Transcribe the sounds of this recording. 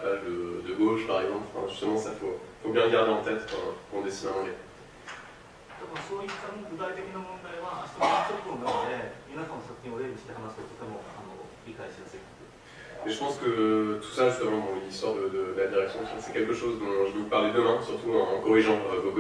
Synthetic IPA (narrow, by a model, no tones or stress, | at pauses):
paʒd̪əd̪əɡoʃpaʁɛɡzɑ̃plɑ̃fɛ̰̃ʒyst̪əmɑ̃safoifobjɛ̃ʁəɡaʁd̪eɑ̃t̪ɛt̪ɔ̰̃kɔ̃d̪esinɛ̃ɑ̃ɡɛ | t̪abõsoːit̪ːamoɡod̪ait̪ekʲinamõnd̪ajβaːst̪ot̪ok̪k̪õɡ̪ad̪emʲinasãnːosokɲʲĩod̪emʲist̪eamasot̪ot̪amoanoɾʲikaesiasek | ɛʒəpɑ̃skət̪ʰu̥saʒyst̪əmɑ̃d̪ɔ̃list̪waʁd̪əd̪əd̪əlad̪iʁɛksjɔ̃ssɛkʲɛlkəʃozd̪ɔ̃ʒəupaʁlɛd̪əmɛ̃syʁt̪uɛ̃kɔʁiʒɑ̃kok